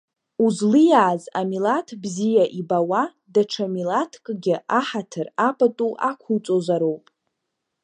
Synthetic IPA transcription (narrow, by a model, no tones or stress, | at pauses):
uzlɨjaːzamilatʰbzijaʔibawa | daʈ͡ʂʰamilatʰkʼɡʲɪʔaħatʰɨrapʼatʼuʔakʷʰut͡sʼozaɾowpʼ